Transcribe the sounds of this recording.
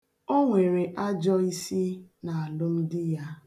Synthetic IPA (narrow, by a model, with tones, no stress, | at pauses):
o˦ŋʷe˨ɾe˨ʔa˦d͡ʒɔ˦i˦si˦na˨a˨lʊ˦m̩˦dɪ˦ja˦